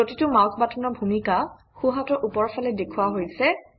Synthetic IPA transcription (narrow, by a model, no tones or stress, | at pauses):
otitʊmawsʰbatʰɔnɔɹbʱumika | xuɦatɔɹʔupɔɹpʰalɛdekʰuwaɦojsɛ